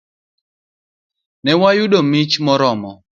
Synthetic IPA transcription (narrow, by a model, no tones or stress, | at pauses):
nɛwajʊdomit͡ʃmɔɾɔmɔ